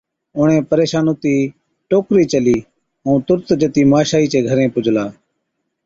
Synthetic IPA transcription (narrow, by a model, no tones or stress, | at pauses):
ʊɳẽːpəɾeːʃaːnoːt̪iː | ʈoːkɾiːt͡ʃəliː | ũːt̪ʊɾt̪d͡ʒət̪iːmaːʃaːiːt͡ʃeːɡʱəɾẽːpʊd͡ʒʱlaː